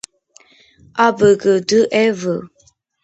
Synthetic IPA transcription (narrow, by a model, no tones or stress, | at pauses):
abəɡədəʔɛvə